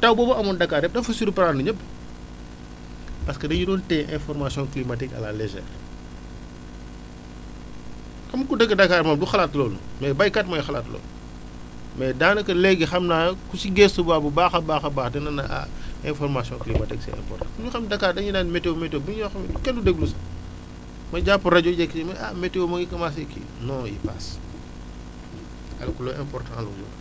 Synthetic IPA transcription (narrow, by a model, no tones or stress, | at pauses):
tɐwbɔːbɐɐmɔndɐkːaːɾɛp̚dɐfusuɾupɐɾaːnduɲəb | pɐskədɐjudɔːntɛːʔɛ̃nfɔrmasiɔ̃nklimatikɐ̰la̰lezɛ̰r | kɐmkudəɡːədɐkːaːɾmaːmduxɐlaːtlɔːlṵmɛːbɐjkɐtmɐjxɐla̰ːtlɔ̰ːl | mɛdaːnɐkɐlɛɡixɐmnaːkusiɡɛstubaːbubaːxɐbaːxɐbaːxdinɐnɐʔa̰ɛ̃nfɔrmasjɔ̃ŋklimɐtiksɛ̰ɛ̰̃mpɔ̰rtã̰kuɲuxɐmdɐkaːɾdɐŋjinaːnmɛtewmɛtɛwbiɲɔːxɐmidukɛnːudeɡlusɐ̥ | mɐɟapːuɾɐɟɔɟɛkːitɛmɐʔa̰mɛtewomɐŋikɐmas̬ɛkʰḭ | nɔːjḭpaːs | ɐ̰lkulɔʔɛmpɔrtãɐlud͡ʒɔ̰ː